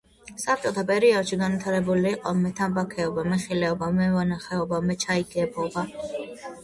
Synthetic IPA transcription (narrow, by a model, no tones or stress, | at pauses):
sap̚t͡ʃʼɔt̪ʰapʼɛɾiɔd̪̥ʃiɡanwit̪ʰaɾɛbuliːqʼɔmɛt̪ʰambakʰɛɔbamɛχilɛɔbamɛvanaχɛɔbamɛt͡ʃʰaiɡɛbɔba